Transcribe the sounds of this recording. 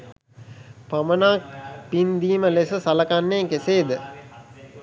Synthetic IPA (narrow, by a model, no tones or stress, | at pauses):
pamənaːk̚pind̪iːməlesəsɐlɐkanːeːkeseːd̪ə